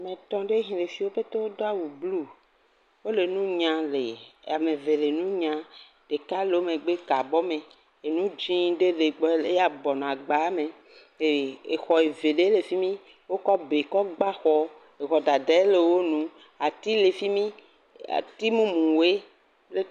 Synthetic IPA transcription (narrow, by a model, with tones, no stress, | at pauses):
mẽ˨t̪ɔ̃˦ɖe˦ɦĩ˨le˨fi˨wo˦ɸe˦t̪o˦wo˦do˦a˦wu˨blu˦ | wo˦le˨nũ˦ɲã˨le˨a˨mẽ˨ve˨le˨nũ˦ɲã˨ | ɖ̥e˨ka˦le˨o˦mẽ˨ɡ͡be˦ka˨bɔ˦mẽ˨ | e˨nũ˦d͡ʒĩ˦ɖe˦le˨ɡ͡be˦ja˨bɔ˨nɔ̃˨a˨ɡ͡ba˨˦mẽ˨ | e˨e˨xɔ˨e˨ve˨ɖe˦le˨fi˦mĩ˦ | wo˦kɔ˦be˨kɔ˦ɡ͡ba˦xɔ˦ | e˨xɔ˨da˨dɛ˦le˨wo˦nũ˦ | a˨t̪i˦le˨fi˦mĩ˦ | a̰˨t̪i˦mũ˦mũ˨we˦ | le˦